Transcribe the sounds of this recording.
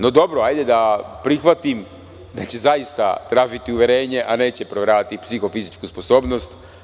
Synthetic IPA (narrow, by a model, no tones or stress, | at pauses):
no̞d̪o̞bɾoajd̪ed̪apɾixʋat̪im | d̪at͡ɕe̞zaist̪a̰t̪ɾaːʒit̪iuʋʲjeɾe̞ːɲe̞ʔane̞ːt͡ɕe̞pɾoʋeɾaːʋat̪ipsixo̞fizit͡ʃkuspo̞so̞ːbnost̪